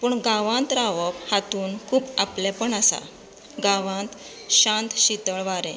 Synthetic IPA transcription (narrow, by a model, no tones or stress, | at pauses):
puːɳɡãʋãnt̪ɾaʋəphat̪uːnkʰuːpaplɛpəɳasa̰ | ɡaʋãnt̪ | ɕãnt̪ɕit̪əɭʋaɾɛ̃